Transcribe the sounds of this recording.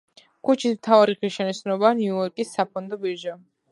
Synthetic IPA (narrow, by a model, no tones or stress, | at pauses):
kʰut͡ʃʰismt̪ʰavaɾiʁɾiʃɛnit̪sʰnɔbaːniuɔɾkʼisːapʰɔnd̪ɔbiɾʒa